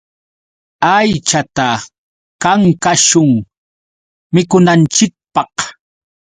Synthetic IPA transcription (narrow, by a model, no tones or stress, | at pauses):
ajt͡ʃat̪a | kaŋkaʃʊŋ | mɪkʊnant͡ʃɪk̚pɑq